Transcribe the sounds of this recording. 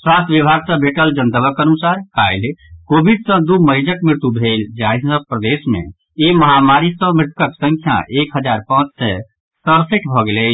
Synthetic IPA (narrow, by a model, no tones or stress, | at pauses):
swast̪ʰʋibʱaɡsə̃bʱeʈəld͡ʒənt̪əbəkənusaɾkajlkobiɖsə̃d̪uməd͡ʒəkmɾɪt̪jubʱeld͡ʒajsə̃pɾəd̪esmḛ̃ | eməɦamaɾisə̃mɾɪt̪ʰkəksə̃ŋkʰja̰ʔekɦəd͡ʒaɾpãt͡ʃsɛ | səɾsiʈʰbʱɔɡele